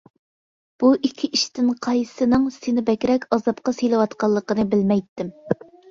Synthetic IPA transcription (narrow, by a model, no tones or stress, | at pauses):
b̥uʔikʲʰːiʔiʃt̪ɪnqʰɑjsɨnɨŋsenɪbɛkʲɾɛkʲɑzɑp̚qɑsejlɪwɑt̪qɑlˠːəqənɨbɪlmɛjt̪ːɪm